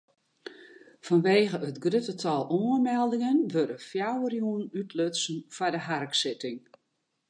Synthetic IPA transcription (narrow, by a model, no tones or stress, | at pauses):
fɔnʋeːɣəətɡrøtətʰɑlˠoəmɛlˠdɪŋənʋødəfjawərjuənytʰløtsn̩fɔdəɦarksɪtɪŋ